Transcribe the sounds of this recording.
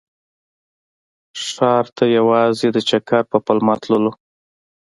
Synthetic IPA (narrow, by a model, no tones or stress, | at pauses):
ʂɑɾt̪ʰajawɑzed̪ət͡ʃakɑɾpəpəlmɑt̪ləlo